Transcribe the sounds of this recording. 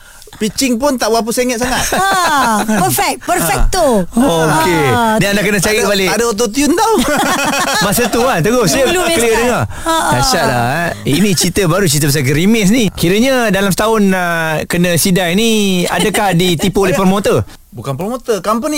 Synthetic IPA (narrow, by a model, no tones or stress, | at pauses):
pit͡ʃɪŋpʊnt̪aʔbwap̬useŋət̪̚saŋat̪ | pəfɛk̚pərfɛk̚t̪uokedaandakənəsajəʔbalɪadəot̪̬ot̪̬iunt̪aw | masət̪uant̪əɡʊsəkəliədəŋa | asaʔ̪̚la̰init͡ʃit̪əbaɾut͡ʃit̪əbas̬aɡəɾimɪs̬nikiɾəɲədalamsə̥t̪aʊnəkənə̃sidaŋinia̰dəkahdit̪ipuolɛhpərmot̪ə | bukanpərmot̪əkampəni